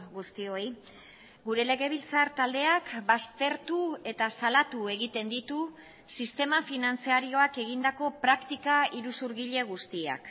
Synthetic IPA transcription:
ɡust̪io̞j | ɡuɾe̞le̞ɣe̞βilt͡saɾt̪ald̪e̞akbast̪e̞ɾt̪ue̞t̪asalat̪ue̞ɣit̪e̞nd̪it̪u | sist̪e̞mafinant͡siaɾio̞ake̞ɣ̞ind̪ako̞pɾakt̪ikaiɾusuɾɣiʎe̞ɣ̞ust̪ia̰k

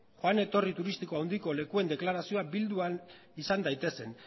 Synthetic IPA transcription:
xoane̞t̪o̞rit̪uɾist̪iko̞awnd̪iko̞le̞kue̞nd̪e̞klaɾasio̞abild̪uan | isand̪ajt̪e̞se̞n

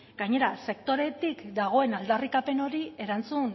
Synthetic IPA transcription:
ɡajɲe̞ɾase̞kt̪o̞ɾe̞t̪ikd̪aɣ̞o̞e̞nald̪arikape̞no̞ɾie̞ɾant͡sun

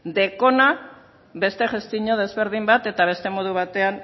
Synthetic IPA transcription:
d̪e̞ko̞na | be̞st̪e̞ʝest̪iɲo̞ð̞e̞zβe̞ɾðimbat̪e̞t̪aβ̞e̞st̪e̞mo̞ð̞uβ̞at̪e̞an

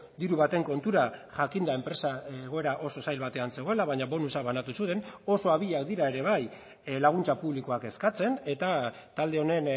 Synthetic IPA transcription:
d̪iɾuβat̪e̞ŋko̞nt̪uɾaʝakind̪ae̞mpɾe̞saeɣ̞o̞e̞ɾaʔo̞so̞sajlβat̪e̞anse̞ɣo̞e̞laβaɲaβo̞nusaβanat̪usut̪e̞no̞so̞aβiʎakd̪iɾae̞ɾe̞β̞aj | laɣ̞unt͡sapuβliko̞ake̞skat͡se̞ne̞t̪at̪ald̪e̞o̞ne̞n

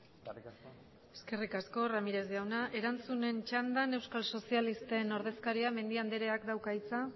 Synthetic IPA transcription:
e̞ske̞rikasko̞ramiɾe̞zðiawnaʔe̞ɾant͡sune̞nt͡ʃand̪ane̞wskalso̞sialist̪eno̞ɾð̞e̞skaɾiame̞nd̪iand̪eɾe̞akd̪awkajt͡sa

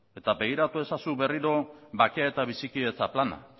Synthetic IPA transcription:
e̞t̪abe̞ɣ̞iɾat̪ue̞sasuβe̞riɾo̞bakeaet̪aβ̞isikiðe̞t͡saplana̰

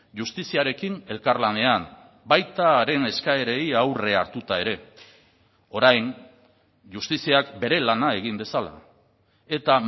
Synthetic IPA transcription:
ʝust̪isiaɾe̞kine̞lkarlane̞am | bajt̪aɾe̞ne̞skae̞ɾe̞iawre̞aɾt̪ut̪ae̞ɾe̞ | o̞ɾajn | ʝust̪isiakbe̞ɾe̞lanae̞ɣ̞imbe̞sala̰ | e̞t̪a

